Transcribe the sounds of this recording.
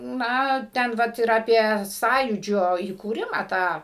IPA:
ˈnɐ ˈtʲɛn ˈʋɐt ɪr ɐˈpʲiɛ ˈsɑːjuːd͡ʒʲoː iːkuːˈrʲɪmɑː ˈtɑː

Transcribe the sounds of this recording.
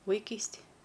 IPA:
ʋɐɪˈkʲiːsʲtʲɪj

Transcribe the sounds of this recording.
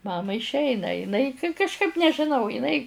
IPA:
ˈmɑːmɐɪ ɪʃʲˈɛɪnɐ ɪˈnɐɪ kɐʃˈkɐɪp nʲɛʒʲɪˈnɐʊ ɪˈnɐɪ

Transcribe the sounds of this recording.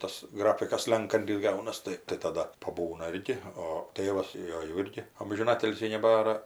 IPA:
ˈtɐs ˈɡrɑːfʲɪkɐs ˈsʲlʲɛŋkɐnʲtʲɪs ˈɡɐʊnɐs ˈtɐɪ tɐɪ tɐˈdɐ pɐˈbuːnɐ ˈɪrʲɡʲɪ oː ˈtʲeːʋɐs ˈjoː jɛʊ ˈɪrʲɡʲɪ ɐmʲʒʲɪˈnɑːtʲɪlʲsʲiː nʲɛˈbɑːrɐ

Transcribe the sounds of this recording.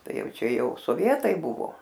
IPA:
ˈtɐɪ ˈjɛʊ ˈt͡ʃʲɛ ˈjɛʊ soːˈʋʲiɛtɐɪ ˈbʊʋoː

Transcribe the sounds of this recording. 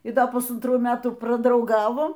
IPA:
iː ˈdɐ pʊsɐntˈruː ˈmʲæːtuː prɐdrɐʊˈɡɑːʋoː

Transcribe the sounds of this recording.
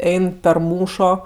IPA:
ˈɛɪn pʲɛr ˈmuːʃoː

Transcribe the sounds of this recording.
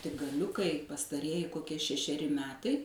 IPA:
tʲɪk ɡɐˈlʲʊkɐɪ pɐstɐˈrʲiɛjɪ koːˈkʲiɛ ʃʲɛʃʲɛˈrʲɪ ˈmʲæːtɐɪ

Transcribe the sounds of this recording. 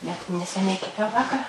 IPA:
nʲɛt nʲɛsʲɛˈnʲɛɪ kʲɛˈpʲɛʊ ˈʋɑːkɐr

